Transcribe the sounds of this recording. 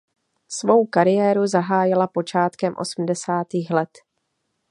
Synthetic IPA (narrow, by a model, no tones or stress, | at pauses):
svo̞wkaɾɪjɛːɾuzaɦaːjɪlapo̞t͡ʃaːt̪kɛmʔo̞̰sm̩dɛsaːt̪iːxlɛt̪